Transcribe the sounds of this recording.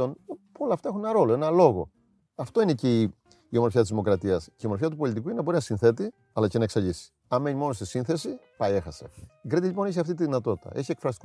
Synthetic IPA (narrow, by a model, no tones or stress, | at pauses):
onpolɐft̪ɐexunenɐɾo̞lo̞e̞nɐlo̞ɣo̞ | ɐft̪o̞ine̞ce | io̞mo̞ɾfçɐt̪izimo̞kɾɐt̪iɐsceio̞mo̞ɾfçɐt̪upo̞lit̪ikuinenɐbo̞ɾinɐsinθe̞t̪i | ɐlɐce̞nɐe̞ksɐʎisi̥ | ɐme̞ɲimo̞nosesinθe̞sipɐje̞xɐseɡɾet̪iʎipo̞niçɐft̪it̪iðinɐt̪o̞t̪i̥t̪ɐ̰ʔe̞çie̞kfɾɐs̬t̪i̥k